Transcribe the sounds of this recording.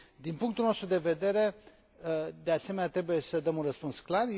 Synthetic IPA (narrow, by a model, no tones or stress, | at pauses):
d̪inpuŋkt̪ulno̞st̪ɾud̪e̞ve̞d̪e̞ɾe̞ | əd̪e̞ase̞me̞nat̪ɾe̞buje̞səd̪əmunrəspunsklar